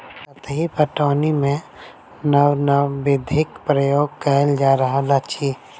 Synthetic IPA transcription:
sɐt̪ɦipəʈaːnimẽ | nəwnəbɪd̪ʱɪkpɾəjoːɡ̚kəld͡ʒaːɾɐɦalat͡ʃʰiː

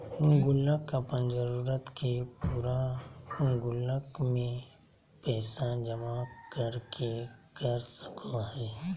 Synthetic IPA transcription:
ʊ̃ŋɡʊləkəpənd͡ʒəɾuːɾət̪kʰepuːɾaʊ̃ŋɡʊləkmẽ | pɛːsad͡ʒəmakəɾkekəɾsə̥kʰoɦɛː

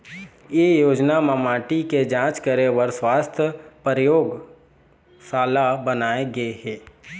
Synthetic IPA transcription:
jejoːd͡ʒnamamaːʈiked͡ʒãːt͡ʃkəɾewəɾswaːst̪ʰjəpəɾjoːɡ | saːlabənaːeɡəeɦɛː

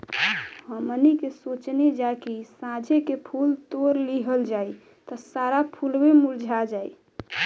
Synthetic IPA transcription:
həmənikesot͡ʃned͡ʒakisãd͡ʒʱekepʰult̪oɾliɦəld͡ʒai | t̪ɔsaɾapʰulbemuld͡ʒʱad͡ʒai

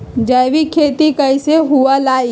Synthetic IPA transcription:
d͡ʒəjʋikʰeːt̪ikəɪseɦualaːi

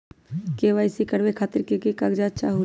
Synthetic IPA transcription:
keʋaːɪsikəɽʋekʰaːt̪ɪɾkekikaɡd͡ʒaːt͡ʃaɦu

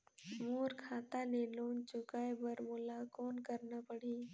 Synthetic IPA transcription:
moːɾkʰaːt̪aleːloːnt͡ʃʊkaːebəɾmʊlakɔːnkəɾnapəɽeː

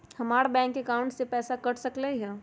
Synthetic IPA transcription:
hɐmaːɾabɛ̃ːŋkːekaʊ̃ɳʈsepɛːsakɐɽsəkleɦɛ̃

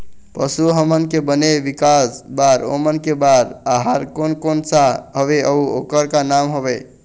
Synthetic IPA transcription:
pəsuɦəmənkebəneʋikasbaɾo̰mənkebaɾaɦaɾkonkonsaɦəβeʔəuo̰kəɾkanamɦobe

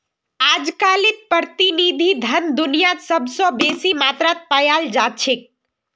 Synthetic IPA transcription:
ad͡ʒkalit̪̚pəɾt̪inid̪ʱid̪ʱənd̪unijasəbsɔ̃besimat̪ɾat̪̚pajald͡ʒat͡ʃʰek̚

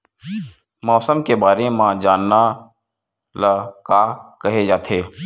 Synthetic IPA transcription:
mɔːsəmkebaːɾemãd͡ʒaːnːa | lakaːkəɦed͡ʒaːt̪ʰeː

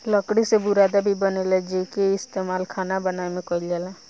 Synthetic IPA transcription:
ləkɽisebʊɾaːd̪abʱibənelɛd͡ʒeːkeɪst̪eːmaːlkʰaːnabənaːemẽkɔilalɛː

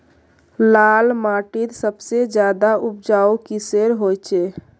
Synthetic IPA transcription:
laːlmaːʈɪɾsəbsed͡ʒjaːd̪aʊp̚d͡ʒaːukiseɾɦoːjt͡ʃeː

